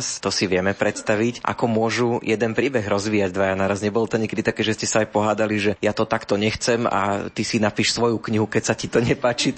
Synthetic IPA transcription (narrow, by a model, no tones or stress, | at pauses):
st̪ɔsiʋɪɛmɛpɾɛt̪st̪aʋicʔa̰kɔmʊɔʒujɛd̪ɛnpɾiːbɛɣɾɔzʋiːjaɟ̚d̪ʋajanaːɾazɲɛbɔlt̪ɔɲɛkɛd̪it̪akɛʒɛscɛsaajpɔɦaːd̪aliʒɛjat̪ɔt̪akt̪ɔɲɛxt͡sɛma̰t̪isinapiʃsʋɔjukɲiɦukɛcsacit̪ɔɲɛpaːt͡ʃi